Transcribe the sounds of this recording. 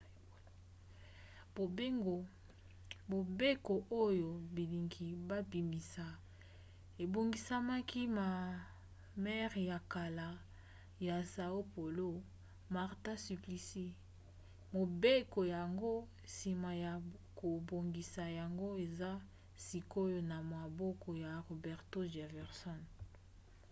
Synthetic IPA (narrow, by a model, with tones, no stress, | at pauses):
bo˨be˦ŋo˨ | bo˨be˦ko˨ʔo˦jo˨bi˨li˨ŋɡi˨ba˦bi˨mi˨sa˨ | e˨bo˨ŋɡi˨sa˦ma˦ki˦ma˨ | mɛ˦ʁja˨ka˨la˨ | ja˨sa˨o˦po˨lo˦ | ma˨ʁta˦sy˨pli˨si˦ | mo˨be˦ko˨ja˨ŋɡo˦ | si˨ma˨ja˨ko˨bo˨ŋɡi˨sa˨ja˨ŋɡo˦e˨za˦ | si˨ko˦jo˦na˨ma˨bɔ˦kɔ˨ja˨ʁo˨bɛ˨ʁto˦ʒa˨vɛ˨ʁsɔ˦n